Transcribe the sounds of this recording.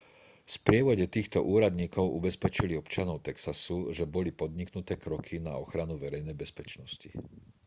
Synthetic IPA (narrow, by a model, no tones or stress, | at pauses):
fspɾɪɛʋɔɟɛt̪iːxt̪ɔ̰ʔuːɾad̪ɲiːkɔʊʔubɛspɛt͡ʃiliɔpt͡ʃɪanɔʊt̪ɛksasuʒɛbɔlipɔd̪ɲiknut̪ɛːkɾɔkʰina̰ɔxɾanuʋɛɾɛjnɛjbɛspɛt͡ʃnɔscḭ